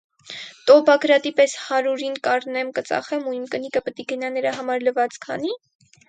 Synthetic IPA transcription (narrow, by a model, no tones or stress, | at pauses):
t̪ɔbɑɡɾɑt̪ipɛshɑɾuɾinkɑrnɛmkət͡sɑ̰χɛmuimkənikəpət̪iɡənɑnəɾɑɦɑmɑɾləvɑt͡skʰɑ̰ni